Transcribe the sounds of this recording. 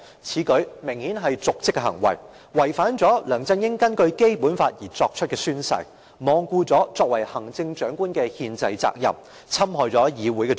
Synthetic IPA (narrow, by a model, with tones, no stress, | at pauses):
t͡sʰiː˨˥kɵ˨˥ɥmɪ˨˩ŋhiː˨˥nɦɐ˨jt͡sʊ˨k̚t͡sɪ˥kːɛ˧ɦɐ̰˨˩ŋwɐ̰˨˩j | wɐ˨˩jfaː˨˥nt͡sɔː˨˥lœː˨˩ŋt͡sɐ˧njɪ˥ŋkɐ˥nkɵ˧ɥke˥jpuː˨˥nfaː˧t̚jiː˨˩t͡sɔː˧k̚t͡ʃʰɵ˥t̚kɛː˧syː˥nsɐ̰˨j | mɔː˨˧ŋkuː˧t͡sɔː˨˥t͡sɔː˧k̚wɐ˨˩jhɐ˨˩ŋt͡sɪ˧ŋt͡ʃœː˨˥ŋkuː˥nkɛː˧hiː˧nt͡sɐ˧jt͡sa̰ː˧k̚jɐ̰˨˩m | t͡sʰɐ˥mɦɔː˨jt͡sɔː˨˥jiː˨˧wuː˨˥jkɛ˧